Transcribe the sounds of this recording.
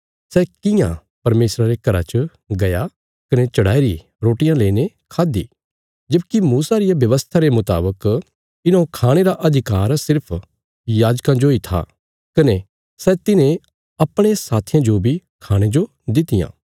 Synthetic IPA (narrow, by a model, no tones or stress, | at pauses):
sɛkɪ̃jã̰ | pɐɾmeːsɾaɾekɐɾa̰t͡ʃə | ɡɐja | kɐnet͡ʃɐɽaːiɾi | ɾoːʈɪjãleːne | kʰaːd̪ḭ | d͡ʒɐbkimuːsaɾɪjabjɐʋəst̪ʰaɾemʊt̪a̰ːbək | ɪnãkʰaːɽ̃eɾaʔɐd̪ʱɪkaːɾsɪɾpʰ | jaːd͡ʒkãd͡ʒoit̪ʰa̰ | kɐne | sɛt̪ɪnẽ | ɐpɽ̃esaːt̪ʰɪjãd͡ʒobʱikʰaːɽ̃ed͡ʒo | d̪ɪt̪ɪjã̰ː